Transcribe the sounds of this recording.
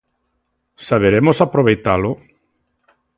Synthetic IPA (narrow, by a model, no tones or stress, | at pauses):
saβeɾemʊsapɾoβejt̪alʊ